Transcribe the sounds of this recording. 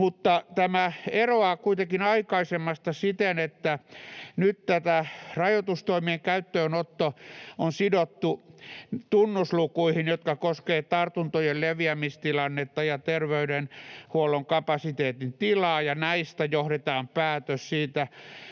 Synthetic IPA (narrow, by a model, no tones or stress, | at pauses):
mut̪ːɑt̪æmæeroɑkuit̪ekinɑikɑisemːɑst̪ɑsit̪enet̪ːænyt̪t̪æt̪ærɑjot̪ust̪oimieŋkæyt̪ːøːnot̪ːoonsidot̪ːu | t̪unːuslukuihinjot̪kɑkoskeːt̪ɑrt̪unt̪ojelleʋiæmist̪ilɑnːet̪ːɑjɑt̪erʋeydenhuoloŋkɑpɑsit̪eːt̪int̪ilɑːjɑnæist̪æjohɾet̪ɑːmpæːt̪øssiːt̪æ